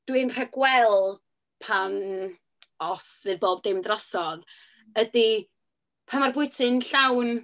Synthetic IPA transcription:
d̥wɨnr̥əɡwɛlˠ | pʰan | ɔsvɨːðboːb̚dɪmdrɔsɔð | ədi | pʰanmarbʊɨtʰɨnɬawn

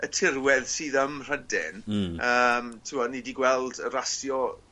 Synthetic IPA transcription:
ətʰɪɾwɛðsiːðəmr̥ədɪ̰nəːmtʰɪwɔnidiɡwɛlˠdəɾasjɔ

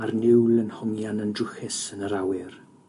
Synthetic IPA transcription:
arnɪwlənhɔŋjanəndrʊxɪsənəɾawɪr

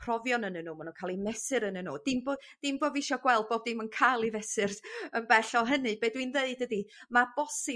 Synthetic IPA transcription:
pʰrɔvjɔnənənuːmanunkʰalˠimɛsɨɾənənuːd̥ɪmbod̥ɪmboːvɪʃɔɡwɛlˠd̚boːbdɪmənkʰajlˠivɛsɨrsənbɛɬɔɦənɨbeːdwinðeɨdədimab̥ɔsɪ

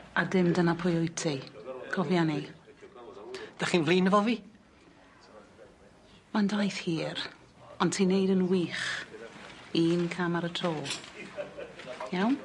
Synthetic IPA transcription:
ardɪmdənapʰʊjʊjtʰikʰɔvjani | d̥aχiːnvliːnəvɔviː | mandajθhiːɾ | ɔntʰiːnejdənwiːχ | inkʰamaɾətʰroːlˠ | jawn

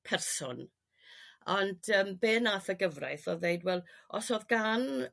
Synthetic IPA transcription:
pʰɛrsʊ̰n | ɔnd̥əːmbeːnaθəɡəvra̰jθɔðejdwɛlˠɔsɔðɡan

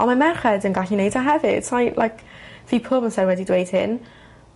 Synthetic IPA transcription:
ɔnmamɛχɛdənɡaɬinejdaɦɛvɪd̥sʰajlʔajkʰviːpʰʊbənsɛdwɛdidwejd̥hɪ̰n

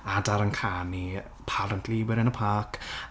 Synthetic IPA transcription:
adaɾənkʰani | pʰaləntʰliwɪɾənəpʰaːkʰ

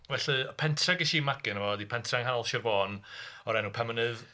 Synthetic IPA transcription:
vɛɬɨpʰɛntʰraɡiʃimaɡɪnəvɔdipʰɛntʰraŋɦanɔlˠʃɪrvɔːnɔɾɛnupʰɛmənɨð

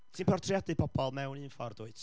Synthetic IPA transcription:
tʰiːnpʰɔrtʰrijadɨpʰɔb̥ɔlˠmɛwniːnfɔrd̥ʊɨt

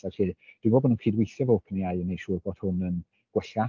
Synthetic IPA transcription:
aɬiːd̥wɪnbɔbɔnuːnkʰiːdwejθɛvoːpʰənijajənejʃuːrboːd̥hʊnən | ɡ̥wɛɬa

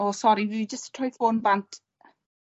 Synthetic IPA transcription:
ɔsɔɾivɪd͡ʒəsttʰrɔjθoːnbantʰ

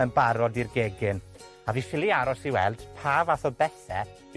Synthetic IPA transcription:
ənbaɾɔdirɡeɡɨn | aviːfɪlˠiaɾɔsiwɛ̰lˠd̥pʰaːvaθɔbɛθɛ

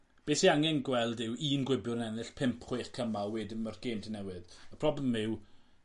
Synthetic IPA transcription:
b̥eːsiaŋɛnɡwɛlˠdɪwiːnɡwɪbjʊnɛnɪɬpʰɪmpʰχweχkʰəmalˠwɛdɪmərɡ̥eːmtʰənɛwɪðəpʰr̥ɔblɛmɪw

